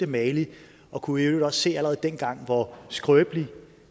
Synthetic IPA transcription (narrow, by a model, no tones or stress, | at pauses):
d̥əmɛːli | ɒ̽kʰueʊ̥e̥ɒ̽sse̝̰ːælʁɛeð̩ˠd̥en̰ɡ̥ɑ̈ŋ̰ʋɒsɡ̥ʁœːb̥li